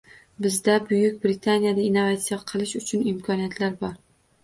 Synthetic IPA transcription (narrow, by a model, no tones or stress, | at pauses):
bɪzd̪abʊjʊk̚ʲbɾɪt̪ʰanijad̪ainːovat̪sijaqʰɨlˠɪʃʊt͡ʃʰɪnimkʰɒnijat̪ʰlaɾbɒɾ